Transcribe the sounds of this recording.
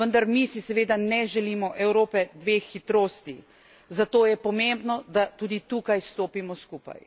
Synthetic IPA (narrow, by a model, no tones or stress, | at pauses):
ʋənd̪aɾmisisɛʋeːd̪anɛʒɛliːmɔʔɛwɾoːpɛd̪ʋeːxːit̪ɾoːst̪i | zat̪oːjɛpɔmembnɔd̪at̪uːd̪it̪uːkajst̪oːpimɔskuːpa̰j